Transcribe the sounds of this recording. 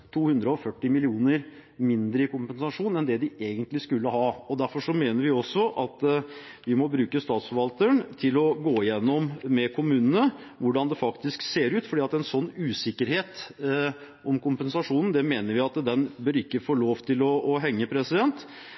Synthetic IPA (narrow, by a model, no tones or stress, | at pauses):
t̪ʰuːhʉnd̪ɾəɔfœʈːɪmɪlɪuːnəɾ | mɪnd̪ɾəɪkʊmpənsɑʂuːnɛnd̪ɛd̪ɪʔeːɡənt̪lɪskʉlːəhɑːɔd̪æɾfɔʂɔmeːnəɾʋɪɔsːɔʔɑt̪ | ʋɪmɔbɾʉːkəst̪ɑːt̪sfɔɾʋɑlt̪əɳt̪ʰɪlɔɡoːɪjɛnːɔmmɛkʰʊmʉːnənə | ʋʊɖɑnd̪ɛfɑkt̪ɪskseːɾʉːt̪fɔɖiːɑt̪ɛɛnsɔnːʉːsɪkːəɾheːt̪ | ʔɔmkʊmpɛnsɑʂuːnn̩d̪ɛmeːnəɾʋɪɑt̪d̪ɛnbøːɾɪkːəfoːɭoːʋt̪ʰɪlɔːɦɛŋːəpʰɾɛsɪd̪ɛnt̪